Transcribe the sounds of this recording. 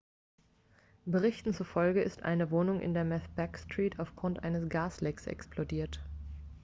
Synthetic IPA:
b̥əʁɪçtn̩t͡sufɔlɡəɪstʔa̰ɪnəvoːnʊŋʔɪ̰ndeːɐmɛθb̥ɛkstʁ̥iːtʰaʊfɡ̥ʁʊntʔaɪnəsɡ̥aːslɛksʔɛ̰ksplodiːɐt

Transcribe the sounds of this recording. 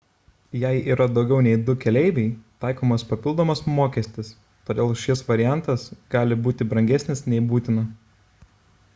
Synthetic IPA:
jɛɪiːɾɐd̪ɒʊɡʲɛʊnʲɛɪd̪ʊkʲɛlʲɛɪbʲɛɪt̪ɑˑɪkoːmɐspɐpʲɪlˠd̪oɔːmɐsmoːkʲɛsʲt̪ʲɪs | t̪oːd̪ʲeːlˠʃʲɪsʋɐɾʲɪjæˑnˑt̪ɐsɡ̥ɑːlʲɪbuːt̪ʲɪbɾɐŋʲɡʲɛsʲnʲɪsnʲɛɪbuːt̪ʲɪnɐ

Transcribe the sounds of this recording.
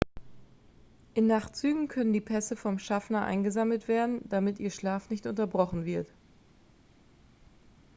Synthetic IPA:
ʔɪnːaχt͡syːɡŋ̩kʰœnəndiːpʰɛsəfɔmʃafnɐʔa̰ɪnɡəzaml̩tv̥eːɐdn̩d̥amɪtʔiːɐʃlaːfnɪçtʔʊntɐbʁɔχn̩vɪɐt

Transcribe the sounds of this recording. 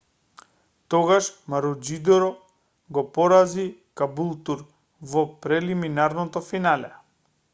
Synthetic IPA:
t̪ɔɡaʃmaɾud͡ʒid̪ɔɾɔ | ɡɔpɔɾazikabulˠt̪uɾ | vɔpɾɛliminaɾnɔt̪ɔfinalɛ̰

